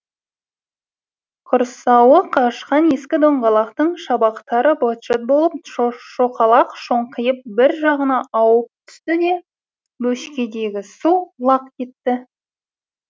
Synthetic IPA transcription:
qʰʊɾsɑwəqʰɑʃqɑne̞skʲɪd̪oɴʁɑlˠɑqt̪əɴʃɑbɑqt̪ɑɾəbot̪ʃet̪̚bo̞lˠəp̚ʃoqɑlˠɑqʃo̞ɴqʰəjəp̚bɪɾʒɑʁənɑʔɑwəp̚t̪ʰʏ̥st̪ɪd̪e̞ | bɵʃkʲe̞d̪e̞ɡʲɪsulˠɑqkʲʰe̞t̪ːɪ

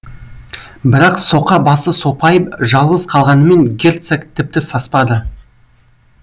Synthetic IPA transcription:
bɪɾɑqso̞qɑbɑsəso̞pɑjəpʒɑlˠʁəzqʰɑlˠʁɑnəme̞ŋɡʲe̞rt̪sakt̪ʰɪp̚t̪ɪsɑspɑd̪ə

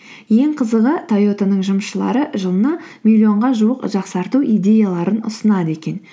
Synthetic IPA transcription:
je̞ŋqʰəzəʁət̪ʰajo̞t̪onəɴʒʊmʃəlˠɑ̰ɾəʒəlˠənɑmʲilʲːio̞ɴʁɑʒuəqʒɑqsɑɾt̪uʔijd̪e̞jalˠɑɾənʊ̰sənɑd̪əe̞kʲe̞n

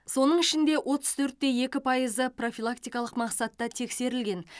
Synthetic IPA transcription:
so̞nəɴɪʃɪnd̪e̞wʔo̞t̪ə̥z̥t̪ʰɵɾt̪̚ːe̞je̞kʲɪpʰɑjəzəpro̞fʲilˠakt̪ijkɑlˠəqmɑqsɑt̪ːɑt̪ʰe̞kse̞ɾɪlɡʲe̞n

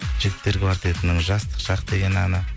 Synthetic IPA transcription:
ʒɪɡʲɪp̚t̪ːe̞ɾkʲʰvaɾt̪jet̪ɪnɪŋʒɑst̪ə̥qʃɑqd̪e̞ɡʲenɑnə

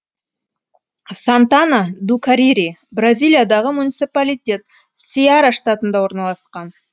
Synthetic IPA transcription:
sant̪anad̪ukaɾiɾibrazʲijlʲˠijad̪ɑʁəmunʲit̪sipalʲijt̪ʲe̞t̪ | siaɾaʂt̪at̪ənd̪ɑwo̞ɾnɑlˠɑsqɑn

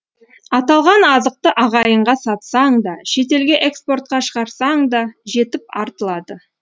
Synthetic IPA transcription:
ɑt̪ɑlˠʁɑnɑzəq̚t̪əʔɑʁɑjəɴʁɑsɑt̪sɑɴd̪ɑʃe̞t̪̬e̞lɡʲe̞ʔekspo̞rt̪̚qɑʃəʁɑɾsɑɴd̪ɑʒe̞t̪ɪp̚ɑɾt̪əlˠɑd̪ə

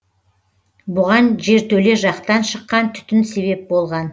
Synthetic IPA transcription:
bʊʁɑnʒe̞ɾt̪ʰɵle̞ʒɑqt̪ɑnʃəqːɑnt̪ʰʏ̥t̪ɪnse̞βe̞p̚bo̞lˠʁɑn

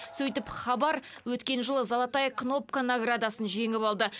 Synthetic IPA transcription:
sɵjt̪ɪpχɑbɑɾwɵt̪kʲe̞nʒəlˠəzɑlˠɑt̪ɑjkno̞p̚kanoɡrad̪asənʒe̞ŋɪpɑlˠd̪ə

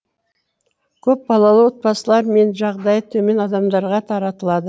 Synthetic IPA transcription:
kʲʰɵp̚bɑlˠɑlˠəwot̪̚pɑsəlˠɑɾme̞nʒɑʁd̪ɑjət̪ʰɵme̞nɑd̪ɑmd̪ɑɾʁɑt̪ʰɑɾɑt̪əlˠɑd̪ə

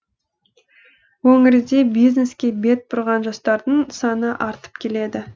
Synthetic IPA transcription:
wɵŋɪɾɪd̪e̞bijzne̞skʲe̞be̞t̪̚bʊɾʁɑnʒɑst̪ɑɾd̪əɴsɑnəʔɑɾt̪ə̥p̚kʲʰe̞le̞d̪ɪ

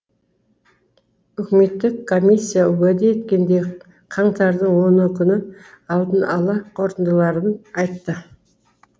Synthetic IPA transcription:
ʏkʲɪme̞t̪ːɪkʰːo̞mʲijsʲːijawɵd̪eje̞t̪kʲe̞nd̪e̞ | qʰɑɴt̪ɑɾd̪əɴwo̞nəkʲʰʏnɪ | ɑlˠd̪ənɑlˠɑqʰo̞ɾt̪ənd̪əlˠɑɾənɑjt̪ːə

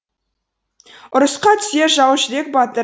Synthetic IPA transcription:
ʊɾəsqɑt̪ʰʏ̥seʒɑwʃɪd̪ek̚bɑt̪ə

